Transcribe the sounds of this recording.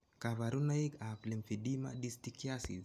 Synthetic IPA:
kavaɾunaiɡaflɛmfidima̰ɗistikiasḭz

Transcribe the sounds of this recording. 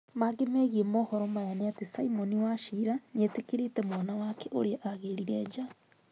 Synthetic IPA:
maɡemɛɣiɛmɔhɔɾɔmajaneatesaimɔniwaʃiːɾaɲetekiɾetɛmanawakɛʔo̰ɾeaʔaɣeɾiɾɛːd͡ʒa

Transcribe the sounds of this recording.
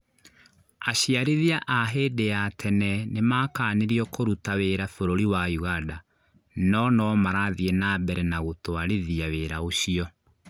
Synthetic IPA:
aɕiaɾeðiaʔaɦedeatʰɛnɛnemaːkaːneɾiɔkoɾutaweɾafoɾoɾiwajuɣada | nɔnɔmaɾaðienabɛɾɛnaɣotoaɾeðiaweɾaoɕiɔ

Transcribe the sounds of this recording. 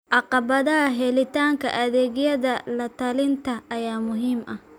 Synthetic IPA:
ʔɑqɑβɐðɐɦɐɦɛlɪt̪ʰaːŋkʰɐ̰ʔɐðɛːɣjɐðɐlɐt̪ʰɐlɪnt̪ʰɐɐjaːmʊɦiːmɐ

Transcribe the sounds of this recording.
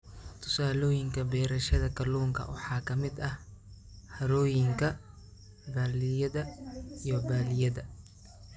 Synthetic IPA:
t̪ʰʊ̥saːlɔːjɪŋkʰɐbɛːɾɐʃɐðɐkʰɐluːŋkʰɐ̰wɑ̰ħɑːkʰɐmɪd̪ɐh | hɐɾɔːjɪŋkʰɐ | baːlɪjɐðɐijɔbaːlɪjɐðɐ

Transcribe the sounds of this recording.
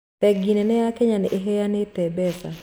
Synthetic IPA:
tɛɡinɛnɛakeɲanɪʔeɦɛjanɪtɛbɛsa

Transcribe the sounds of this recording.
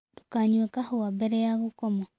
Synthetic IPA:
ɾukaɲwekahuabeɾejaɣukomo

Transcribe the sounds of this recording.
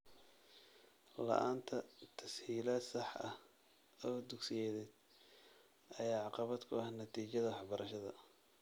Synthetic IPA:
lɐ̰ʔaːnt̪ʰɐt̪ʰɐshiːlɐsɑħʔɐh | ɔːd̪ʊɡsɪjɛːðɛːd̪̥ | ʔɐjaːʕɑqɑβɐd̪kʰʊɐhnɐt̪ʰiːt͡ʃɐðɐwɑħbɐɾɐʃɐðɐ̰

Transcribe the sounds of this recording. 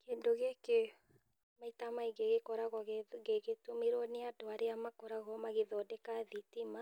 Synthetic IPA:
kendoɣeke | maitamaiɡeɣekɔɾaɣɔɣeɡeɣetumiɾoneadɔaɾeamakɔɾaɣɔmaɣeðɔdɛkaðitima

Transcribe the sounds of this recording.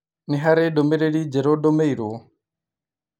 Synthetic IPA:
niɦaɾɛɗɔmɛɾeɺid͡ʒɛɾɔɗɔmeiɾɔ

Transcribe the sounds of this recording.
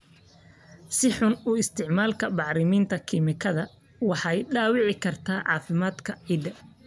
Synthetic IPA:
sɪħʊnʊɪst̪ʰɪʕmaːlkʰɐbɑʕɾɪmiːnt̪ʰɐkʰimɪkʰɐðɐ | wɑħɑjɖaːwɪʕɪkʰɐrt̪ʰaːʕɑ̰ːfɪmaːd̪kʰɐʕiːd̪ɐ

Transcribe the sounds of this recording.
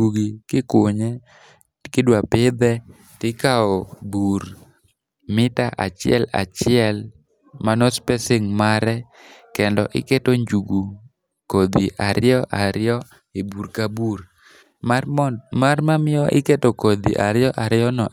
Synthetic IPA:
uɡikɪkʊɲɛ | kɪdwapɪd̪ɛ | tɪkaɔbuɾ | mɪtaʔa̰t͡ʃɪɛ̰la̰t͡ʃɪɛl | manɔspɛsɪŋmaɾɛ | kɛndɔʔɪ̰ketoɲd͡ʒuɡu | kod̪iʔaɾɪɔʔaɾɪɔ | eburkabuɾ | mamarmamɪɔʔɪketokod̪ḭʔaɾjɔʔaɾɪɔnɔ

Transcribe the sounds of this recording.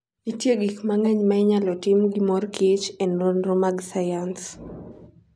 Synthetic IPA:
itjeɡikmaŋɛɲmaiɲalɔtimɡimɔrkit͡ʃɛnrɔnrɔmaɡsajans

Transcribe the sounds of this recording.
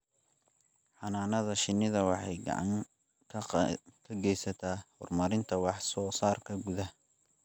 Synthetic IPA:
ħɑnaːnɐðɐʃɪnːɪðɐwɑħɑjɡɑ̰ʕɑ̰ŋʰ | kʰɐɡɛjsɐt̪ʰaːhɔrmɐɾɪnt̪ʰɐwɑħsɔːsaːrkʰɐɡʊðɐ

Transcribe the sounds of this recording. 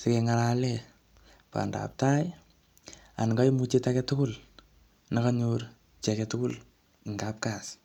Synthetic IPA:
sekɛŋaɾalɛ | pa̰nda̰p̚taj | a̰nŋɡajimut͡ʃetakɛtʊkʊl | nakaɲuɾ | t͡ʃɛkɛtʊkʊl | ɪŋɡap̚kas

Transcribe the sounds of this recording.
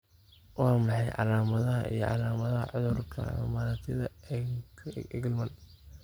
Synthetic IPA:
wɑːmɑħɑjʕɑ̰laːmɐðɐɦɐ̰ʔḭjɞ̰ʕɑ̰laːmɐðɐɦɐ̰ʕʊðʊrkʰɐ̰mɐmaːɾat̪ʰɪðɐ | ɛɡlmɐn

